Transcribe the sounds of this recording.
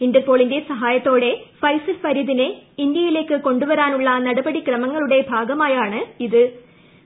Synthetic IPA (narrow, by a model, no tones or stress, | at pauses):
indepːo̞ːɭinde̞sɐɦaːjɐt̪ːo̞ːɽe̞fɐjsɐlpɐɾiðineind̪jɐjile̞ːkːɨko̞ɳɖuʋɐɾaːnuɭːɐnɐɽɐbɐɽikrɐmɐŋːɐɭuɽe̞bʱaːɡɐmaːjaːɳɨiðɨ